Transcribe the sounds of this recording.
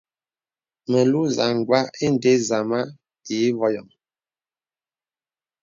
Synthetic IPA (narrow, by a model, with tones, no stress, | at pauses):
mɛ˨lu˦za˨ŋ˨ɡwa˦e˦n˨de˦za˨ma˦ | te˨˦vɔ˦jɔ˨m